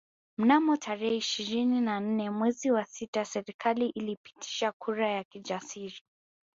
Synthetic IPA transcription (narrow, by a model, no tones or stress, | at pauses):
m̩namɔtʰaɾɛhɛiʃiɾininan̩nɛmwɛziwasitasɛɾikʰaliʔilipi̥tʰi̥ʃakʰuɾajakid͡ʒasiɾi